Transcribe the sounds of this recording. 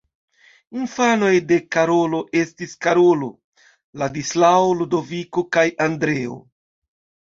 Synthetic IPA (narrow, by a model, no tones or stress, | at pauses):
infano̞jde̞kaɾo̞lo̞ʔe̞stiskaɾolo̞̰ | ladislaoludo̞vikokajandɾe̞o̰